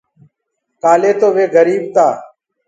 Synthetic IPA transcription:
kaːleːt̪oːʋeːɡəɾiːbt̪aː

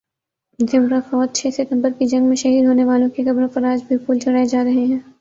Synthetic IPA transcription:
d̪ʱɪmɾafɔːt̪̚t͡ʃʰɛːsɪt̪ə̃mbəɾkid͡ʒɐ̃ŋɡmẽʃɐɦiːd̪ɦoːneʋaːlõkikɐbɾõfɐɾaːd͡ʒbʱɪɾpuːlt͡ʃʰɐɽaːed͡ʒaːɾɐɦeɦɛ̃ː

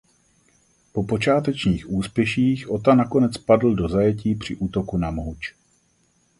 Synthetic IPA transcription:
po̞po̞t͡ʃaːt̪ɛt͡ʃɲiːxʔuːspjɛʃiːxʔo̞t̪anako̞nɛt͡spadl̩do̞zajɛciːpr̝̥ɪʔuːt̪o̞kunamɦut͡ʃ

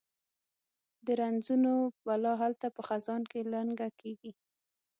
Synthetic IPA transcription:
d̪əɾanzunobalɑɦalt̪apəxazɑnkeləŋɡakʰeɡi

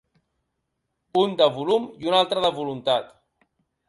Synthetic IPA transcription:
und̪əβulumiunalˠt̪ɾəðəβulunt̪at̪

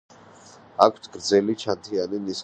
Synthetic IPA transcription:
akʷʰt̪ʰɡ̥ɾd̪zɛlit͡ʃʰant̪ʰianinis

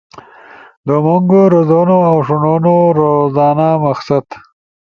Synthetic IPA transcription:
d̪əmuŋɡoɾozonoawʂʊnonoɾozɑːnamaxsat̪

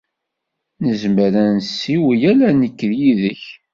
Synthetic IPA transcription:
nəzməɾænsːiwjælænəkːðjiðəç

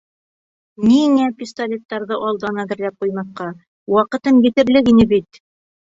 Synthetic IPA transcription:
niŋæpʲist̪alʲet̪ːɑɾðɤʔɑlˠd̪ɑnæðɘ̆ɾlæp̚qujmɑθqɑ | wɑqɤ̆t̪ɤmjɘ̆t̪ɘ̆ɾlɘkinɘbit̪

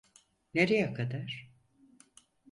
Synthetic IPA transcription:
neɾijɛkʰad̪aɾ̥

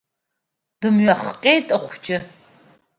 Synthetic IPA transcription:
d̥ɨmɥɐχqʲʼeːtʼɐχʷʊt͡ʃʼɪ

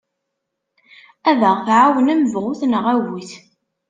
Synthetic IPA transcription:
ævəʁθʕawənæməvʁʊθnəʁæwiθ

